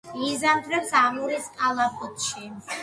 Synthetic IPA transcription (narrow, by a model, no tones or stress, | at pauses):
izamd̪ʰɾɛpsamuɾiskʼalˠapʼɔt̪ʰʼʃi